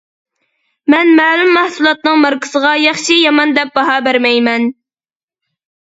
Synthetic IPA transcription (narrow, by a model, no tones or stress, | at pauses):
mɛnmɛːlymːæhsulˠɑt̪̚nɨŋmɑɾkɪ̥səʁɑjɑχʃijɑmɑnd̪ɛp̚bɑɦɑːbæɾmɛjmɛn